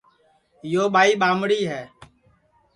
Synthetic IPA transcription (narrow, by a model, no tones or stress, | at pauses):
joːɓaːiːɓaːmɽiːɦɛː